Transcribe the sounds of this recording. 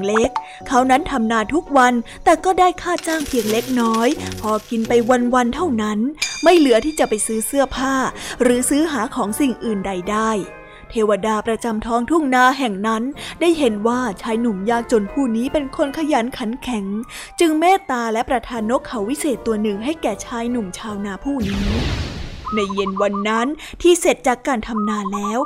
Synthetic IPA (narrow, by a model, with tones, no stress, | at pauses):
le˦˥kʰː | a˦˥wna˦˥nt̪ʰa˧mnaː˧t̪ʰu˦˥k̚wa˧nt̪ɛː˨˩kɔː˥˩daː˥˩jkʰaː˥˩t͡ɕaː˥˩ŋpʰi˧əŋle˦˥k̚nɔː˦˥jpʰɔː˧ki˧npa˧jwa˧nwa˧nt̪ʰa˥˩wna˦˥nma˥˩jlɯ˨˩˦ət̪ʰiː˥˩t͡ɕa˨˩pa˧jsɯː˦˥sɯ˥˩ɐpʰaː˥˩ɾɯː˩˦sɯː˦˥ɦaː˩˦kʰɔː˩˦ŋsi˨˩ŋʔɯː˨˩nda˨˧jdaː˥˩j | t̪ʰeː˧wa˧daː˧pɾa˧t͡ɕa˧mt̪ʰɔː˦˥ŋt̪ʰu˥˩ŋnaː˧ɦɛ˨˩ŋna˦˥ndaː˥˩jɦe˨˦nwaː˥˩t͡ɕʰaː˧jnu˨˩mjaː˥˩k̚t͡ɕo˧npʰuː˥˩niː˦˥pe˧nkʰo˧nkʰa˧jaː˩˦nkʰa˩˦nkʰɛ˨˩˦ŋ | t͡ɕɯ˧ŋmɛː˥˩t̪aː˧lɛ˦˥pɾa˧t̪ʰaː˧nːo˦˥kʰːa˨˦wi˦˥seː˨˩t̪ːu˧ɐnɯ˨˩ŋɦa˥˩jkɛː˨˩t͡ɕʰaː˧jnu˨˩mt͡ɕʰaː˧wnaː˧pʰuː˥˩niː˦˥ | na˧jːe˧nwa˧nːa˦˥n | t̪ʰiː˥˩se˨˩t̪̚t͡ɕaː˨˩kːaː˧nt̪ʰa˧mnaː˧nlɛː˦˥w